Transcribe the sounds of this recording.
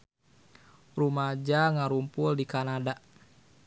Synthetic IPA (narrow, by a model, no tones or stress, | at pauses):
rumad͡ʒaŋaɾumpʊldikanada